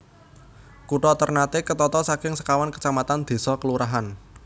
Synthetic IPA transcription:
kuʈɔt̪ərnat̪ekət̪ɔt̪ɔsakɪŋsə̥kawankə̥t͡ʃamat̪and̪̥e̤sɔkəluɾaɦan

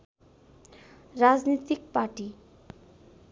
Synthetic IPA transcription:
rad͡znit̪ik̚paʈi

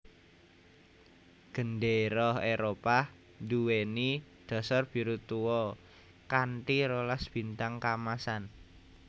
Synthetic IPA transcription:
ɡ̥ə̤nɖeɾɔɦeɾopa | nduwenid̪̥ɔ̤sarb̥i̤ɾut̪uwɔ | kanʈiɾolasb̥i̤nt̪aŋkamasan

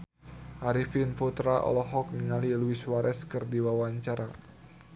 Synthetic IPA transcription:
ʔaɾifinfut̪ɾaʔɔ̰lɔɦɔk̚niŋaliluiswaɾʔɛskɨrdiwawaɲt͡ʃaɾa

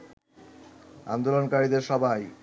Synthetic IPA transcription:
a̰nd̪olonkaɾid̪eɾʃɔbʱaj

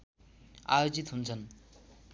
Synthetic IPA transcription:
ajod͡zit̪ɦunt͡sʰʌn

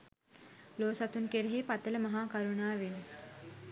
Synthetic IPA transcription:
loːsat̪unkeɾeɦeːpat̪ələmɐɦaːkɐɾunaːʋen

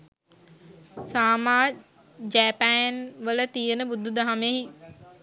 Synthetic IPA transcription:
saːmaː | d͡ʒɛːpæːnʋələt̪ijənəbud̪ʱːud̪aɦameɦi

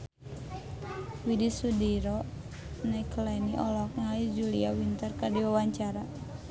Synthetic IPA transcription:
widisudiɾɔ | naklɛniʔɔlɔk̚ŋaisd͡ʒuliawint̪ərkadiwawaɲt͡ʃaɾa

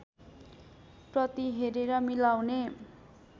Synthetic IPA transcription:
prʌt̪iɦeɾeɾʌmilawne

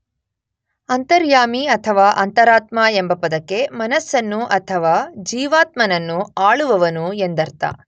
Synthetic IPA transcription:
ɐnt̪ɐɾjaːmiɐt̪ʰɐʋaːʔɐnt̪ɐɾaːt̪maːembɐpɐd̪ɐke̞mɐnɐsːɐnːuʔɐt̪ʰɐʋaːd͡ʒiːʋaːt̪mɐnɐnːuaːɭuʋɐʋɐnuend̪ɐɾt̪a̰ː

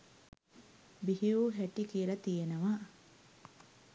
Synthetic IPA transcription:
biɦiuːɦæʈikielɐt̪ijenəʋa

